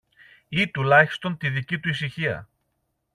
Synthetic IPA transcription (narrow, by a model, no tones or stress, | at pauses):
it̪ulɐçi̥st̪o̞nt̪iðicit̪uis̬içiɐ̰